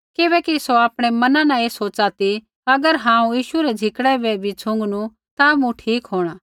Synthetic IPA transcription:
kɪbɛkisoaːpɽ̃emɐnãnãeːsoːt͡ʃat̪i | ɐɡəɾɦãːũjiːʃuɾɛd͡ʒʱɪkɽɛbɛbʱit͡ʃʰʊ̃ŋɡnũ | t̪amũʈʰiːkɦoːɽ̃aː

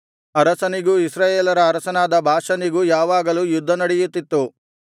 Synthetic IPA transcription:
ɐɾɐsɐniɡuisɾaːjeːlɐɾɐːɾɐsɐnaːd̪ɐbʱaːʂɐniɡujaːʋaːɡɐlujud̪ʱːɐnɐɽɛjut̪ːit̪ːu

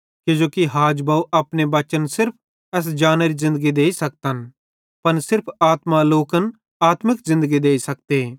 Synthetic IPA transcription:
kɪd͡ʒoːkiɦaːd͡ʒbaːuʔɐːpnebɐt͡ʃənsɪɾpʰ | ɛːs̬d͡ʒaːnəɾizɪ̃nd̪əɡid̪eːisɐk̚t̪ən | pɐnsɪɾpʰaːt̪maloːkən | aːt̪mɪkzɪ̃nd̪əɡid̪eːisɐk̚t̪eː

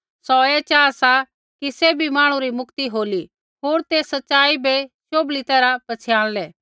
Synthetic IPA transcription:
sɔɛt͡ʃaːsa | kisebʱimaːɽ̃ũɾimʊkt̪iɦoːli | ɦoːɾt̪eːsɐtːʃaːibeʃoːblit̪ɛːɾapɐt͡sʰɪjãːɽ̃lɛː

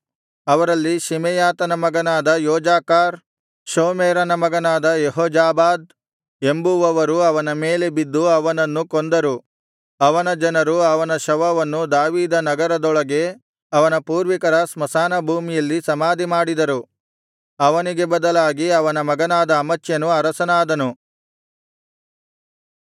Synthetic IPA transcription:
ɐʋɐɾɐlːiʃimɛjaːt̪ɐnɐmɐɡɐnaːd̪ɐjɔːd͡ʒaːkaːɾ | ʃoːmeːɾɐnɐmɐɡɐnaːd̪ɐjeɦɔːd͡ʒaːbaːd̪̚ | e̞mbuʋɐʋɐɾuɐʋɐnɐme̞ːle̞bid̪ːuɐʋɐnɐnːukond̪ɐɾu | ɐʋɐnɐd͡ʒɐnɐɾuɐʋɐnɐʃɐʋɐʋɐnːud̪aːʋiːd̪ɐnɐɡɐɾɐd̪ɔɭɐɡe̞ | ɐʋɐnɐpuːɾʋikɐɾɐsmɐsaːnɐbʱuːmijɐlːisɐmaːd̪ʱimaːɽid̪ɐɾu | ɐʋɐniɡe̞bɐd̪ɐlaːɡiɐʋɐnɐmɐɡɐnaːd̪ɐːmɐt͡ʃjɐnuɐɾɐsɐnaːd̪ɐnu

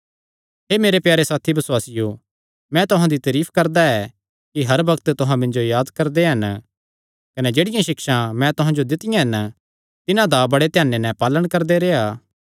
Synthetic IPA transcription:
ɦeːmeːɾepjaːɾesaːt̪ʰibɐswaːsɪjo | mɛ̃t̪ʊɦãd̪it̪ɐɾiːpʰkɐɾd̪aɛ | kiɦɐɾbɐkt̪t̪ʊɦãmɪ̃nd͡ʒojaːd̪kɐɾd̪eɦɐn | kɐnɛd͡ʒeːɽɪjãʃɪkʃãmɛ̃t̪ʊɦãd͡ʒod̪ɪt̪ɪjãɦɐn | t̪ɪnãd̪abɐɽet̪ɪjaːnːenɛpaːləɽ̃kɐɾd̪eɾeːaː

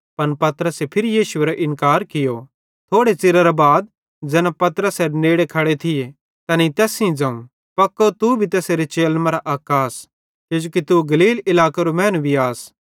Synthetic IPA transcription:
pɐnpɐt̪ɾəsepʰɪɾijiːʃʊeːɾaʔɪ̃nkaːɾkɪjo | t̪ʰoːɽet͡sɪɾɐɾabaːd̪̚ | d͡ʒɛːnãpɐt̪əɾəsɛneːɽekʰɐɽet̪ʰɪe | t̪ɐnĩt̪ɛːsĩd͡zɐ̃ũ | pɐkːot̪ubʱit̪ɛːseɾet͡ʃeːlmɐ̃ɾaʔaːkaːs | ked͡ʒoːkit̪uɡɐliːlɪlaːkaɾomɛ̃ːnʋʱiaːs

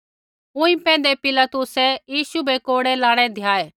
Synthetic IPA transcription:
ʊ̃ĩpɛ̃ːn̆d̪epɪlat̪ʊsɛjiːʃubʱekoːɽɛlaːɽ̃ɛ̃d̪ʱjaːeː

